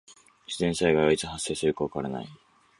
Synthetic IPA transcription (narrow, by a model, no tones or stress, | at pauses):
ɕizẽ̞ɰ̃saiɡaβait͡sɨɦasːe̞ːsɨɾɯ̟kaβakaaɾena̰i